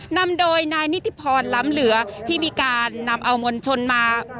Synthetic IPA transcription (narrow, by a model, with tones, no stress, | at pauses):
na˧mdoː˧jnaː˧jni˦˥t̪ʰːi˧˦˩pʰɔː˧nlaː˦˥mlɯ˩˦ɐt̪ʰiː˥˩miː˧kaː˧nːa˧mʔa˧wmo˧nt͡ɕʰo˧nmaː˧